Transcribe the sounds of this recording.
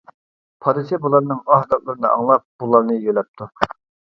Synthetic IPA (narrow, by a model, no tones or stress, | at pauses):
pʰɑd̪ɨsɛbulˠɑɾnɨŋɑɦd̪ɑt̪lˠɨɾɨnɨɑ̰ŋlˠɑp̚b̥ulˠɑɾnɨjølɛp̚t̪ʰu